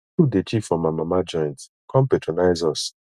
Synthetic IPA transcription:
udet͡ʃifɔ̃mamamad͡ʒɔ̃j̃nt | kʰɔ̃mpetɹonaɪzɔs

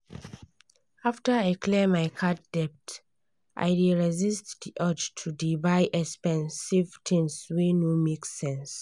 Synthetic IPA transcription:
aftəaɪkʰlɛmajkʰatd̥ɛp̚t | ʔa̰jɹiɹɛzistdiʔɔd͡ʒtʰudibaɪʔɛkspɛ̃nsivtʰĩŋswinomeksɛ̃ns

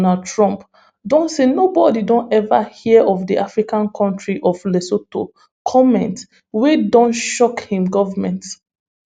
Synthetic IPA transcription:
nadtʰɹɔ̃mp | dɔ̃nsenobɔdidɔ̃nɛva̰hiɛʔɔvdiʔafɹikãnkʰɔ̃ntɹiʔɔvlesoto | kʰɔmɛ̰̃nt | wedɔ̃nʃɔkhĩmɡɔvamɛ̃nt

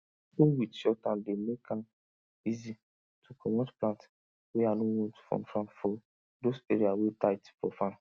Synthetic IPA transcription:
uwitʃɔtãndemekʰãm | izi | tʰukʰɔmotplãnt | wɛanowɔ̃ntfɔ̰̃mfɹãmfɔ | doseɹiawetajtfɔfãn

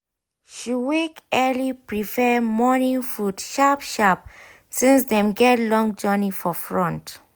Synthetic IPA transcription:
ʃiwekɛlipɹifɛmɔnĩnfudʃapʃap̚ | sĩnsdɛ̃mɡɛtlɔ̃ŋd͡ʒɜnifɔfɹɔ̃nt

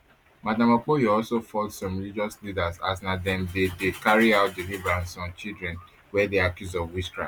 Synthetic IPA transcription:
madãmɔk͡pojoɔlsofɔltsɔ̃mɹilid͡ʒɔslidasasnadɛ̃mdedekaɹiaʊt̚delibɹãnsɔ̃nt͡ʃildɹɛ̃n | wɛdeakjusɔvwiskɹa̰

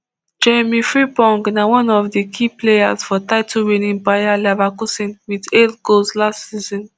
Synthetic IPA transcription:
d͡ʒemifɹipɔ̃ŋɡnawɔ̃nɔfdikʰiplejasfɔtaɪtʰuwenĩnpajalɛvakusĩnwideldɡolslastsizɔ̃n

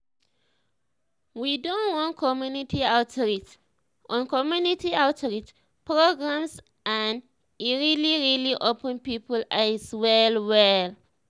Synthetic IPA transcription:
widõnwɔ̃nkʰɔmjunitʰiaʊtɹit | ʔɔ̃nkɔmjunitiaʊtɹit | pɹoɡɹãms | ʔãn | iɹiliɹiliʔopə̃npipəlaswɛlwɛl

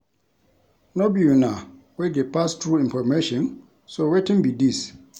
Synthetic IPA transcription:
nobijuna | weɡɛpastɹuĩɱfɔmeʃɔ̃n | sowetĩnbidis

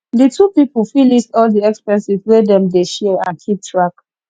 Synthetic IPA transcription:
ditupipl̩filistɔldiɛkspɛ̃nsiswedɛ̃mdeʃɛãnkʰip̚tʰɹak

